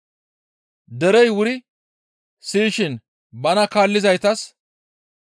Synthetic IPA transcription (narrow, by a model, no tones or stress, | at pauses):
d̪ɛɾɛjwʊɾɪ | siːʃɪn | bɐnɐkaːlːɪzɐjt̪ɐs